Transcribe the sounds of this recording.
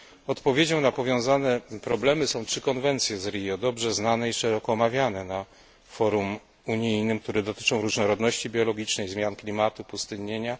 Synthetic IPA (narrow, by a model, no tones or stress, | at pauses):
ɔt̪pɔvʲjed͡ʑɔ̃w̃napɔvʲjɔ̃w̃zanɛpɾɔblɛmɘsɔ̃w̃tʂɘkɔnvɛnt̪sʲjɛzɾʲijɔd̪ɔbʐɛznanɛiʂɛɾɔkɔːmavʲjanɛna | fɔɾum | uɲijnɘmk̚t̪uɾɛd̪ɔt̪ɘ̥t͡ʂɔ̃w̃ɾuʐnɔɾɔd̪nɔɕt͡ɕibʲjɔlɔɡʲit͡ʂnɛjzmʲjanklʲimat̪upust̪ɘɲeɲa